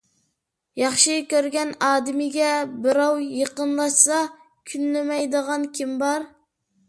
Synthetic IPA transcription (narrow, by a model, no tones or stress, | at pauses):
jɑχʃɨkʲøɾɡʲɛnɑːd̪ɪmɪɡʲɛbɪɾɑwjeqənlˠɑʃsɑ | kʲʰynlɪmɛjd̪əʁɑnkʲʰimbɑɾ